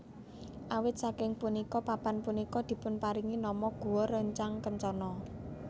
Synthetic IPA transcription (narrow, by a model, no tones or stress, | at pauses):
ʔawɪt̪̚sakɪŋpunikɔpapanpunikɔd̪̥i̤pʊnpaɾiŋinɔmɔɡ̥uwɔɾəɲt͡ʃaŋkəɲt͡ʃɔnɔ